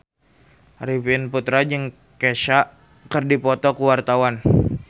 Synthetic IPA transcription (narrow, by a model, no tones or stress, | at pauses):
rivɪnput̪ɾad͡ʒɨŋ | keʃaʔ | kɨrdipɔt̪ɔkuwart̪awan